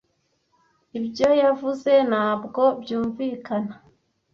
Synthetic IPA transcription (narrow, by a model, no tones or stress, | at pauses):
ibjo̞javuze̞naːbɡo̞bjuːɱviːkana